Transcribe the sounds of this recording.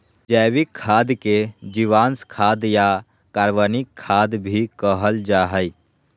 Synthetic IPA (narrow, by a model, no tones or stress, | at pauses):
d͡ʒəʋikʰːaːd̪ked͡ʒiʋaːnskʰaːd̪ja | kaɾʋənikʰːaːd̪bʱikəɦəld͡ʒaːɦəj